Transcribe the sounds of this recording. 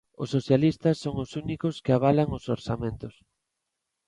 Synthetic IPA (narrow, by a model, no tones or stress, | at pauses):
ʊsːoθjalist̪ɐsːoŋʊsunikʊskɪaβalaŋʊsoɾsamẽnt̪ʊs